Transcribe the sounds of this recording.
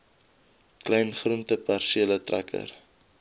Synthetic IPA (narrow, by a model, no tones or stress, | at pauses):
klɛjnχruntəpærsiələtrʔæ̰kʰə̰r